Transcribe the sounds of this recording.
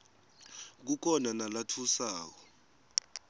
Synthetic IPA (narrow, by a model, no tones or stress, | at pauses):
k̬uk̬ʰɔnanalatʰusaːk̬ɔ